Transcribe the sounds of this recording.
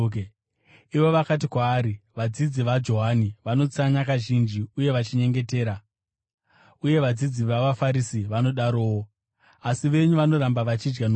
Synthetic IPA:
iʋo̞ʋakat̬ikwaːɾiʋad͡zid͡ziʋad͡ʒo̞ɦaniʋano̞t͡saɲakaʒind͡ʒiuje̞ʋat͡ʃiɲe̞ŋɡe̞te̞ːɾa | uje̞ʋad͡zid͡ziʋaʋafaɾisiʋano̞ɗaɾo̞ːwo | asiʋe̞ɲuʋano̞ɾambaʋat͡ʃid͡ʒɡano

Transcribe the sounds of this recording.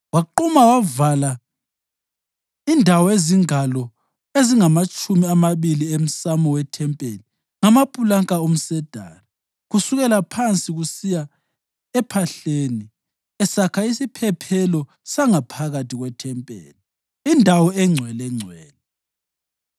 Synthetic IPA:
waǃumawavala | indʱawɔeziŋalɔ | eziŋamat͡ʃʼumiamaβiliem̩samɔwɛtʰɛmpʼeli | ŋamapʼulaŋkʼaom̩sɛd̥ʱa̰ːra | ɣusuɣɛlapʰant͡sʼiɣusija | ɛpʰaɬeːni | ɛsakʰaisipʰɛpʰɛlɔ | saŋapʰaɣatʰiɣwɛtʰɛmpʼḛːliː | ndʱawɔɛŋ͡ǀʱwɛlɛŋ͡ǀʱwɛːlɛ

